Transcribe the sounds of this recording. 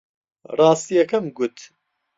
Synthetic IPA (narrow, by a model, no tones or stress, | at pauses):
rɑːst̪ijɛkɐmɡut̪